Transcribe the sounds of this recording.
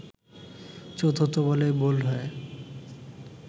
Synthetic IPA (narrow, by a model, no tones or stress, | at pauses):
t͡ɕot̪ʰot̪obolebolɦɔe